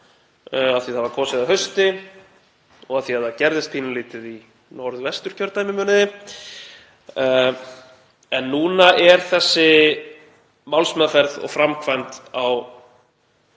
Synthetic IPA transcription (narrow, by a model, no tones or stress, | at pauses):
aðθiðhavakʰɔːsɪðaɦœɥst̪ɪ | ɔɣaðθihaðacɛɾðɪst̪̚pʰiːnʏliːt̪ɪði | nɔɾðvɛst̪ʏɾ̥cʰœɾt̪ːaːjmɪmœːnɪðɪ | ɛnːuːnaʔɛɾ̥θɛsːɪ | mawlsmɛːðafɛɾðɔ̰ɣfɾamkʰvajnt̪aw